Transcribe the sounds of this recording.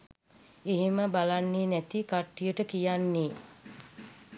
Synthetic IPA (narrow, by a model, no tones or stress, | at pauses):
eɦiməbalanːeːnæt̪ikaʈːijəʈəkijanːeː